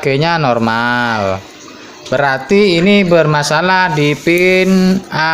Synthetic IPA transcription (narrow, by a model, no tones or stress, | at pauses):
ɡ̥eɲanɔrmal | bəɾart̪iːnibərmasalahdipɪna